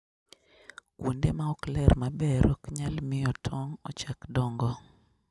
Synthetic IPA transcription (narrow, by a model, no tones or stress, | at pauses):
kwʔundemaɔklɛrmabɛɾɔkɲalmɪɔtʰɔŋɔ̰t͡ʃakdɔŋɡɔ